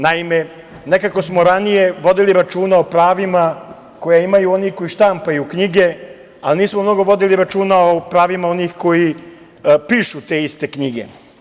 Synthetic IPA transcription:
naime̞ | ne̞kako̞smo̞ɾanije̞ʋo̞d̪iliɾat͡ʃuːnao̞pɾaːʋima | ko̞jaimajuo̞nixko̞jiʃt̪ampajukɲiɡe̞ | alniːsmomno̞ɡo̞ʋo̞d̪iliɾat͡ʃuːnaopɾaːʋimao̞niːxko̞ji | piːʃut̪e̞ːist̪e̞kɲiɡe̞̰

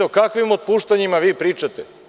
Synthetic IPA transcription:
okakʋimod̪̚puːʃt̪aɲimaʋiːpɾiːt͡ʃat̪e

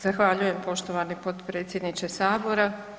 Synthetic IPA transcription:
z̥axʋaʎuje̞mpo̞ʃt̪o̞ʋanipo̞t̪pɾe̞ːt̪sjed̪nit͡ʃesaːbo̞ɾa

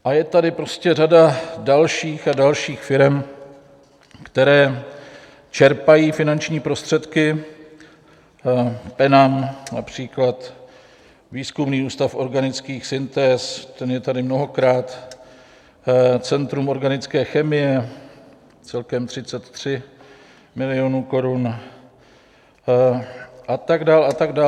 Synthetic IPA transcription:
ʔajɛt̪adɪpɾo̞scɛradadalʃiːxadalʃiːxfɪɾɛm | kt̪ɛɾɛː | t͡ʃɛɾpajiːfɪnant͡ʃɲiːpɾo̞st̪r̝̥ɛt̪kɪ | pɛnamna̰pr̝̥iːklat̪ | viːskumniːuːst̪afʔo̞ɾɡanɪt͡skiːxsɪnt̪ɛːst̪ɛnjɛt̪adɪmno̞ɦo̞kɾaːt̪ | t͡sɛnt̪ɾumo̞ɾɡanɪt͡skɛːxɛmɪjɛ | t͡sɛlkɛmt̪r̝ɪt͡sɛt̪ːr̝̥ɪ | mɪlɪonuːko̞ɾun | ʔat̪aɡdaːlat̪aɡdaː

